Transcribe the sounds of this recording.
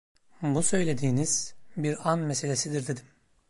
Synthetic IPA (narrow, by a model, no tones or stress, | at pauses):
busø̞jlʲe̞d̪iːniz̥biɾanmese̞lʲe̞sid̪iɾd̪ed̪im